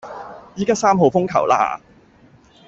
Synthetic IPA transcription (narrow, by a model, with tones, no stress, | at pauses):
jiː˥kaː˥saː˥mɦo˨wfʊ˥ŋkʰɐ̰˨˩wla̰ː˧